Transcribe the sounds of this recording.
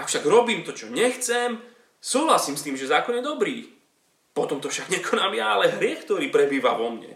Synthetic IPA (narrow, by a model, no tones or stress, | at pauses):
akfʃaɡɾɔbiːmt̪ɔt͡ʃɔɲɛxt͡sɛm | suːɦlasiːmst̪iːmʒɛzaːkɔnjɛd̪ɔbɾiː | pɔt̪ɔmt̪ɔfʃaɡɲɛkʰɔnamjaalɛɦɾɪɛxkt̪ɔɾiːpɾɛbiːʋa̰ʋɔmɲɛ̰